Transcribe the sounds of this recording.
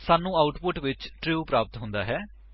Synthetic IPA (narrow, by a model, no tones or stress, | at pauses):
saːnũːaːʊʈpʊʈʋɪt͡ʃʈɾiuːpɾaːpət̪ɦʊ̃nd̪aːɦɛː